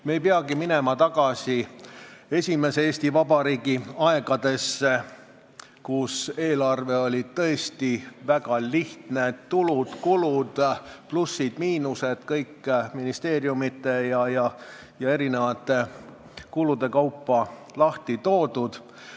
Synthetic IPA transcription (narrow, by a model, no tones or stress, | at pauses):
me̞jpeɑɡimine̞mɑt̪ɑɡ̥ɑsi | e̞sʲime̞seeːsʲt̪ivɑbɑɾiːɡ̥iɑe̞ɡ̥ɑd̪̥e̞se | kuse̞ːlɑrve̞o̞lʲid̪̥̚t̪ɤ̞e̞st̪ivæɡ̥ɑliht̪ne̞t̪ːulud̪̥kulud̪̥plusːid̪̥miːnuse̞d̪̥kɤjkːminist̪e̞ːɾjumit̪ːˑe̞jɑjɑ | jɑe̞ɾine̞vɑt̪ˑːe | kulud̪̥e̞kɑwpːɑ | lɑht̪it̪o̞ːd̪̥ud̪̥